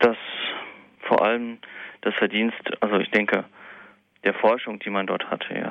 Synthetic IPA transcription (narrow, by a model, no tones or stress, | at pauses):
d̥as | foːɐʔaləmd̥asfɛɐdiːnstʔalzoɪçd̥ɛŋkə | d̥eːɐfɔɐʃʊŋd̥iːmandɔɐthatʰəja̰ː